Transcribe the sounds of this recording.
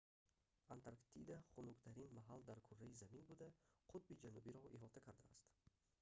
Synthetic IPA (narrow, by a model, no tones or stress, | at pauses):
ant̪ʰaɾkt̪ʰid̪aχunukt̪ʰaɾinmaɦald̪aɾkʰuɾːajizaminbud̪aqʰʊt̪̚bid͡ʒanubiɾɔʔiɦɔt̪ʰakʰaɾd̪aːst̪